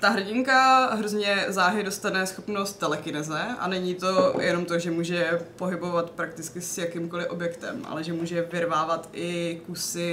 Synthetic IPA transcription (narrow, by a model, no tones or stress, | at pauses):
t̪aɦr̩ɟɪŋkaɦɾozɲɛzaːʒɛdo̞st̪anɛsxo̞pno̞st̪̚t̪ːɛlɛkɪnɛzɛʔa̰nɛɲiːt̪o̞jʔɛno̞mt̪o̞ʒɛmuːʒɛpo̞ɦɪbo̞vat̪pɾak̚t̪ɪt͡skɪsjakɪmkolɪʔo̞bjɛkt̪ɛ̰mʔa̰lɛʒɛmuːʒɛvɪɾvaːvat̪ʔɪkusɪ